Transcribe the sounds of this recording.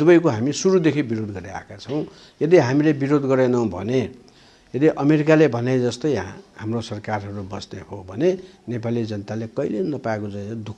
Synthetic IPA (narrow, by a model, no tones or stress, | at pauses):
d̪ubʌjkoɦamisuɾud̪ekʰibiɾod̪ɡʌɾia̰ekat͡sʰʌw̃ | jʌd̪iɦamilebiɾod̪ɡʌɾenʌbʱʌ̰ne | jʌd̪iʔʌmeɾikalebʱʌned͡zʌst̪ʌjɦamrosʌrkarɦʌɾubʌsneɦobʱʌnenepalid͡zʌnət̪alekʌilenʌpaekod͡zajd̪ukʰ